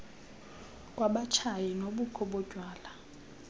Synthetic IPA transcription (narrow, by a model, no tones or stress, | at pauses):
k̬ʼwaɓat͡ʃʰajɛnoɓukʰɔɓɔ̥ɟ̥ʱwaːla